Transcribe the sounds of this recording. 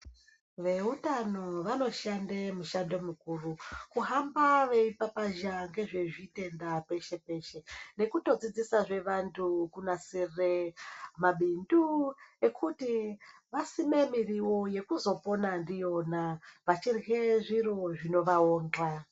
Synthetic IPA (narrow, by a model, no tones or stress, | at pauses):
ʋe̞utano̞ʋano̞ʃandemuʃando̞mukuːrukuɦambaʋe̞ipapaʒaŋɡe̞ʐe̞ʐite̞ndape̞ʃe̞pe̞ʃe̞ne̞kuto̞d͡zid͡zisaʐe̞ʋantʰukunasiremaɓinduekʰuti | ʋasimemiriwo̞je̞kuzo̞po̞nandijo̞ːnaʋat͡ʃirɦeʐiro̞ʐino̞ʋaoːndra